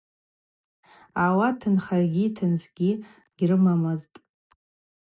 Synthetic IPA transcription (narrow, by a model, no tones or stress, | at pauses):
awatʰɨnχarɡʲitʰɨnsɡʲi | ɡ̥ʲrɨmamaztʼ